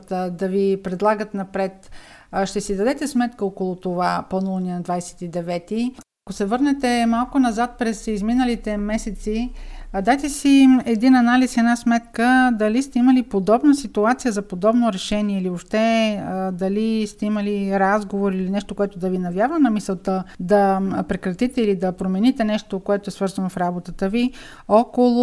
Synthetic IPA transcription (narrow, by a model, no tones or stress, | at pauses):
t̪əd̪ɐvipɾɛd̪lˠaɡət̪nɐpɾɛt̪ | ʃt̪ɛsid̪ɐd̪ɛt̪ɛsmɛt̪kəokolˠot̪ovaponulˠnʲinɐd̪vajsɛ̥t̪id̪ɛvɛt̪iɐkosɛvɤɾnɛt̪ɛmalˠkonɐzat̪̚pɾɛsizminəlit̪ɛmɛsɛt̪sid̪ajt̪ɛsiɛd̪inɐnalisɛnasmɛt̪kəd̪ɐlist̪ɛiməlipod̪ɔbnəsit̪uat̪sijəzɐpod̪ɔbnoɾɛʃɛniɛiliopʃt̪ɛd̪ɐlist̪ɛiməliɾazɡovoɾilinɛʃt̪okoɛt̪od̪ɐvinɐvjavənɐmisɛlˠt̪əd̪ɐpɾɛkɾɐt̪it̪ɛilid̪ɐpɾomɛnit̪ɛnɛʃt̪okoɛt̪oɛsvɤɾzɐnofɾabot̪ət̪əvi | ɔkolˠʊ